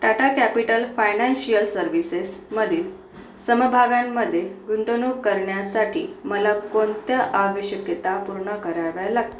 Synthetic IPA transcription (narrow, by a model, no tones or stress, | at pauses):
ʈ̪aʈakæpiʈəlfajnanɕijəlsəɾʋisesməd̪ʱiːl | səməbʱaɡamːəd̪ʱːjeɡund̪onukəɾɳjasaʈʰḭːməlakont̪jəʔaʋəɕjəkjət̪apuɾɳəkəɾaʋjalaɡ̚t̪o